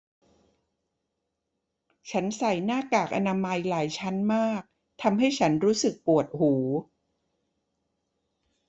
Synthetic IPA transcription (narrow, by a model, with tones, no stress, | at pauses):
t͡ɕʰa˦˥nsa˨˩jnaː˥˩kaː˨˩k̚ʔa̰˧naː˧ma˧jlaː˩˦jt͡ɕʰa˦˥nmaː˥˩k̚ | t̪ʰa˧mɦa˥˩jt͡ɕʰa˦˥nɾuː˦˥sɯ˨˩k̚pu˨˩ət̪̚huː˩˦